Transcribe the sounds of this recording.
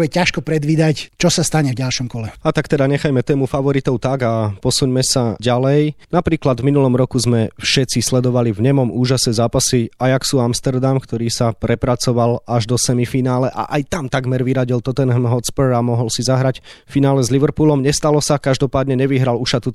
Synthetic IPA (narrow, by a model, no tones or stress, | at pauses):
jɛcaʃkɔpɾɛd̪ʋiːd̪act͡ʃɔsast̪aɲɛvɟalʃɔmkɔlɛat̪akt̪ɛd̪aɲɛxajmɛt̪ɛːmufaʋɔɾit̪ɔʊt̪aɡapɔsuɲmɛsaɟalɛjnapɾiːklad̪vminulɔmɾɔkuzmɛfʃɛtt͡sislɛd̪ɔʋalivɲɛmɔmuːʒasnɛːzaːpasiajaksuamst̪ɛɾd̪amkt̪ɔɾiːsapɾɛpɾat͡sɔʋalaʒd̪ɔsɛmifinaːlɛʔa̰ʔajt̪amt̪aɡmɛɾʋiɾaɟilt̪ɔt̪ɛnɦmɦɔt̪spɛɾamɔɦɔlsizaɦɾacfinaːlɛzliʋɾpuːlɔmɲɛst̪alɔsakaʒd̪ɔpaːd̪ɲɛɲɛʋiɦɾaluʃat̪u